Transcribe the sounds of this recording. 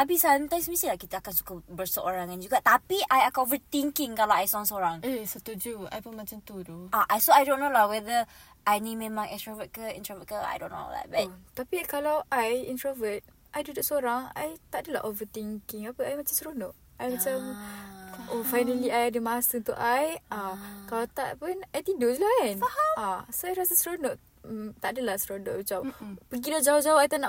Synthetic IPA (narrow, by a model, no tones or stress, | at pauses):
nabisamt̪ãjmsmĩsilahkit̪aakansu̥kabəsəʔoɾaŋand͡ʒuɡaʔt̪apiʔajakanovət̪iŋkɪŋkalawajsɔŋsəoɾaŋesət̪ud͡ʒua̰jpunmat͡ʃamt̪udoʔaʔasoajdõnːõlawɛðə | ʔajnẽmẽmãŋʔɛkst̪ɹavət̚kəḭnt̪ɹavət̚kəa̰jdõ̰nːo̰a̰d̪a̰t̚bat̚t̪apikalawʔajḭnt̪ɾavət̚ | ʔajdudʊʔsoɾaŋa̰jt̪aʔdəla̰ʔovət̪iŋkɪŋapəʔajmat͡ʃamsɾonoʔ | ajmat͡ʃam | ʔofajnəliajadəmasəunt̪ṵʔajʔakalawt̪a̰ʔpənajt̪indoslaaaasoajɾasəsɾonoʔ | t̪aʔdəlasɾonoʔbit͡ʃampəɡidod͡ʒaod͡ʒaʊajt̪ana